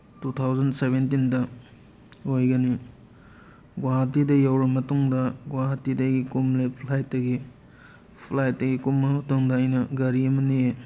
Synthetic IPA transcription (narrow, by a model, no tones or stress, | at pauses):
tutʰawzɐnsebentindɐ | ojɡɐni | ɡwaɦɐtːidɐjawɾɐmɐtuŋdɐɡwaɦɐtːidɐɡikumlepʰlajtːɐɡi | pʰlajtːɐɡikumːɐmɐtoŋdɐːjnɐɡɐɾiɐmɐnie